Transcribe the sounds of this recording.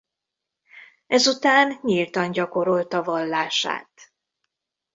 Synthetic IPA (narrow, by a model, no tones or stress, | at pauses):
ɛzut̪aːnɲilt̪ɒɲɟɒko̞ɾo̞lt̪ɒvɒlːaːʃa̰ːt̪